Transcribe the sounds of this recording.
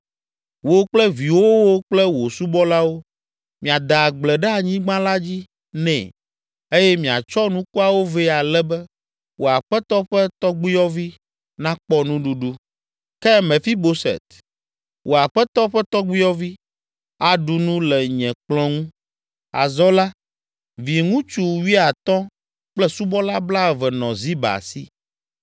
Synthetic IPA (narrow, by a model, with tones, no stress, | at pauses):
wo˨k͡plɛ˦vi˨wo˦wo˦k͡plɛ˦wo˨su˦bɔ˦la˦wo˦ | mĩ˨a˨d̪a˨ɡ͡blɛ˨ɖɛ˦a˨ɲĩ˦ɡ͡bã˦la˦d͡ʑi˦ | nɛ̰̃˨ | e˦jɛ˦mĩ˨a̰˨t͡ʃɔ˦nũ˦ku˦a˨wo˦vɛ˦a˨lɛ˦bɛ˦ | wʔo˨a˨ɸɛ˦t̪ɔ˦ɸɛ˦t̪ɔ˦ɡ͡bi˦jɔ˦vi˦ | nã˦k͡pɔ˦nũ˦ɖu˦ɖu˦ | kɛ˦mɛ̃˨fi˦bo˦sɛ̰˨t̪ | wʔo˨a˨ɸɛ˦t̪ɔ˦ɸɛ˦t̪ɔ˦ɡ͡bi˦jɔ˦vi˦ | a˨ɖu˦nũ˦lɛ˨ɲɛ̃˨k͡plɔ̃˦ŋũ˦ | a̰˨zɔ˦la˦ | vi˨ŋũ˦t͡ʃu˨wi˦a˨t̪ɔ̃˦ | k͡plɛ˦su˦bɔ˦la˦bla˦ɛ˨vɛ˨nɔ̃˨zi˦ba̰˨si˦